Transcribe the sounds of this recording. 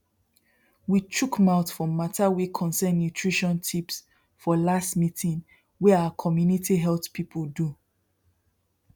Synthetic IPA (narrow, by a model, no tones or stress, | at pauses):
wit͡ʃukmaʊtfɔ̃matʰawikʰɔ̃nsɛ̃nːjutʰɹiʃɔ̃ntʰips | fɔlastmitʰĩŋ | wɛawakʰɔmjunitiɦɛltpʰipʰəldu